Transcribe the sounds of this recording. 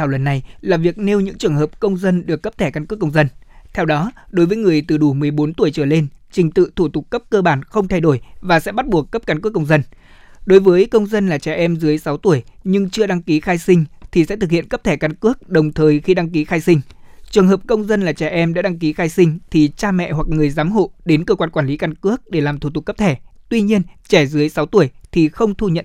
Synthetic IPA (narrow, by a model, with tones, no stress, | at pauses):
aː˧˩wlə̰˨˩nːa˨˩jlaː˨˩vi˨˩ək̚ne˧wɲɨ̰˧˥ŋt͡ɕɨ˨˩əŋɦəː˨˩p̚kə˧wŋ͡mzə˧nɗɨ˨˩əkːə˦˥p̚t̪ʰɛ˧˩ka˧nkɨ˦˥əkːə˧wŋ͡mzə˧nt̪ʰɛ˧wɗɔ˨˦ɗo˨˦jvəː˨˦jŋɨ˨˩əjt̪ɨ˨˩ɗu˧˩mɨ˨˩əjɓo˨˦nt̪u˧˩əjt͡ɕəː˧˩le˧nt͡ɕï˨˩ŋ̟t̪ɨ̰˧˨t̪ʰu˧˩t̪ʊ˨˩k͡p̚ːə˦˥p̚kəː˧ɓaː˧˩nxə˧wŋ͡mt̪ʰa˧jɗo˧˩jvaː˨˩sɛ̰˧˥ɓa˦˥t̚ɓu˨˩əkːə˦˥p̚kaː˨˦nku˦˥ək̚ːə˧wŋ͡mzə˧n | ɗo˨˦jvəː˨˦jkə˧wŋ͡mzə˧nlaː˨˩t͡ɕɛ˨˧˩ʔɛ˧mzɨ˨˦əjsa˨˦wt̪u˧˩əjɲɨ˧ŋt͡ɕɨ˧əɗa˧ŋki˨˦xaː˧jsï˧ŋ̟t̪ʰi˨˩sɛ̰˧˥t̪ɨ˨k̚hḭ˧˨ənkə˦˥p̚t̪ʰɛ˧˩ka˨˧˦nkɨ˦˥ək̚ɗə˨˩wŋ͡mt̪ʰəː˨˩jxi˧ɗa˧ŋki˨˦xaː˧jsï˧ŋ̟t͡ɕɨ˨˩əŋɦəː˨˩p̚kə˧wŋ͡mzə˧nlaː˨˩t͡ɕɛ˧˩ʔɛ˧mɗa̰ː˧˥ɗa˧ŋk̬i˨˦xaː˧jsï˧ŋ̟t̪ʰi˨˩t͡ɕaː˧mɛ̰˧˨hwa˨˩k̚ŋɨ˨˩əjzaː˨˦mɦo̰˧˨ɗe˨˦nkəː˧kwaː˧nkwaː˧˩nli˨˦ka˧nkɨ˦˥ək̚ɗe˧˩laː˨˩mt̪ʰu˧˩t̪ʊ˨˩kːə˦˥p̚t̪ʰɛ˧˩t̪wi˧ɲi˧ənt͡ɕɛ˧˩zɨ˨˦əjsa˨˦wt̪u˧˩əjt̪ʰi˨˩xə˧wŋ͡mt̪ʰu˧ɲə̰˧˨n